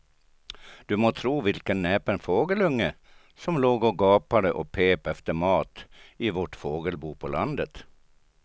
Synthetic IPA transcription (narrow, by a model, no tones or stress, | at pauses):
d̪̥ʉmoːt̪ʰɾuːʋɪlkənːeːpənfoːɡəlɵŋːə | sɔmloːɡɔɡɑːpad̪əʔɔpʰeːpɛft̪əmɑːt̪ɪʋɔʈfoːɡəlbuːpʰɔlʔa̰nd̪ət̪